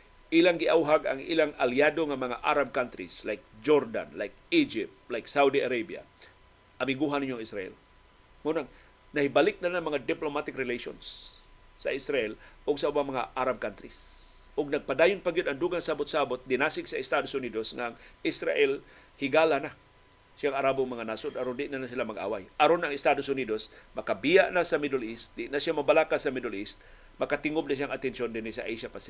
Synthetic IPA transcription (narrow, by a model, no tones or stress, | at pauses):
ʔilaŋɡɪʔawɦaɡa̰ŋʔilaŋaliadoŋamɐŋa̰ʔa̰ɾab̚kant̪ɾḭslajk̚d͡ʒoɾd̪a̰nlajk̚id͡ʒɪp̚t̪lajksawd̪iaɾajbja̰ | ʔamɪɡuɦanɪɲoʔaŋisɾaʔɛ̰l | ŋunaŋ | nahibalɪk̚nanamɐŋad̪ɪplomat̪ɪkɾɪlejʃo̰nsː | a̰ʔisɾaʔɛlʔʊɡsaʔubaŋmɐŋa̰ʔaɾab̚kant̪ɾisʔʊɡ̚nɐɡ̚pad̪aːjʊnpaɡjɪd̪ɐŋd̪uːɡaŋsaabot̪̚saabot̪̚d̪ɪnasɪɡsɐɪst̪ad̪osʊnid̪osnaŋʔɪsɾa̰ʔɛl | hɪɡaːlana | ʃjaŋɐɾaːbʊŋmɐŋanaːsod̪aɾond̪ɪʔnanasɪlamɐɡʔa̰ːwajʔɐɾonɐŋɪst̪ad̪osʊniːd̪osmɐkabijaʔnasɐmɪd̪olist̪̚d̪ɪʔnasjamɐbalakasɐmɪd̪olɪst̪ | mɐkat̪ɪŋob̚naʃ̬jaŋat̪ɛnʃond̪ɪnisa̰ʔejʃapasi